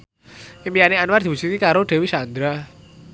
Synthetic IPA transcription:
imijaneanward̪̥i̤busit̪ikaɾoɖ̪̥e̤wisand̪ɾa

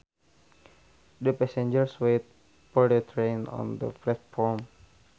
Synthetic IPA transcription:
dəpɛsɛ̃nd͡ʒəɹswet̪̚ | fɔɹdət̪ʰɾenɔ̰̃ndə̰plɛt̪̚fɔɹm

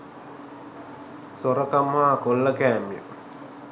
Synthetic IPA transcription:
soɾəkamhaːkolːəkæːmijə̰

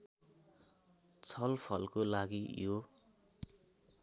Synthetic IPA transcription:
t͡sʰʌlpʰʌlkolaɡijo

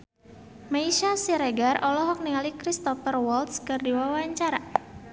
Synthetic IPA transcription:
maiʃasiɾeɡarɔlɔɦɔk̚niŋalikɾist̪ɔfərwɔlt̪skɨrdiwawaɲt͡ʃaɾa

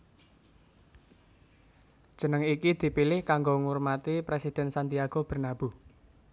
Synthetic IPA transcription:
d̥ʒ̥ə̤nəŋikid̪̥i̤pilɪhkaŋɡoŋurmat̪ipɾesid̪̥ɛ̤nsant̪iaɡ̥o̤b̥ə̤rnab̥ṳ

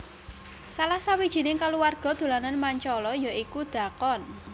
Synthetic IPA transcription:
salahsawid̥ʒ̥i̤nɪŋkaluwarɡ̥ɔ̤d̪̥ṳlananmaɲt͡ʃɔlɔjɔʔikud̪̥a̤kɔn

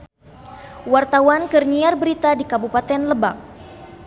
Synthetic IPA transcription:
wart̪awankərɲiarbəɾit̪adikabupat̪ɛnləbak̚

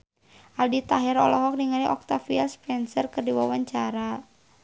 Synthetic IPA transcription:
ʔaldit̪aɦɛɾɔ̰lɔɦɔk̚niŋaɾiʔɔk̚t̪afiɛlspɛnsərkɨrdiwawaɲt͡ʃaɾa

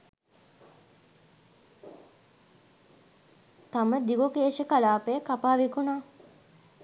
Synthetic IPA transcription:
t̪aməd̪iɡokeːʃəkalaːpəjəkapaːʋikunaː

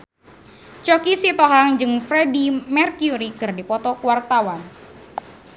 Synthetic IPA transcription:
t͡ʃɔkisit̪ɔɦaŋd͡ʒɨŋfɾedimɛrkjuɾikɨrdipɔt̪ɔkuwart̪awan

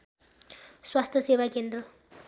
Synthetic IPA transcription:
swast̪ʰjʌsewakend̪rʌ

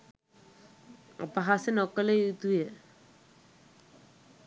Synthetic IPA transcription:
a̰paɦasɪnɔkaleut̪ujɛ

